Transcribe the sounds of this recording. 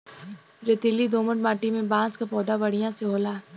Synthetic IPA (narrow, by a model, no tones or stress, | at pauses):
ɾet̪ɪlːid̪oːməʈmaːʈimẽbãːskapɔːd̪abɐɽijãseɦoːlaː